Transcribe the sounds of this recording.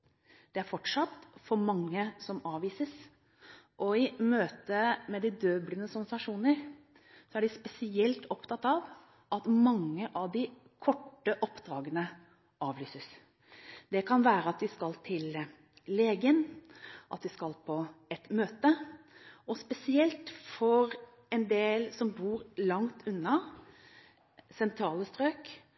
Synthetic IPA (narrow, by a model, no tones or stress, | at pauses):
d̪̥ɛæɾfɔʈʂɑt̪ːfɔɾmɑŋːəsɔmɑːʋiːsəs | ʔɔɪmøːt̪əmɛd̪ɪd̪øːblənəsɔnsɑʂuːnəɾ | sɔæɖɪspɛsɪɛlt̪ɔpt̪ʰɑt̪ːɑʋ | ʔɑt̪mɑŋːəʔɑʋd̪ɪ | kʰɔʈːəʔɔpːd̪ɾɑːɡənə | ɑːʋlyːsəs | d̪ɛkʰɑnʋæːɾəɑt̪ʋɪskɑlt̪ʰɪlː | eːɡənʔɑt̪̚d̪ɪskɑlpʰɔɛt̪møːt̪ə | ɔspɛsɪɛlt̪fɔɾ | ɛnd̪eːlsɔmbuːɾlɑŋt̪ʰʉnːɑ | sɛnt̪ʰɾɑːləst̪ɾøːk